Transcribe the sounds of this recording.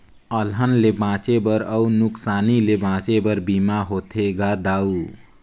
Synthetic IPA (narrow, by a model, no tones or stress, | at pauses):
əlɦənlebãt͡ʃebəɾəunuksaːnilebãt͡ʃebəɾbimaɦot̪ʰeɡad̪au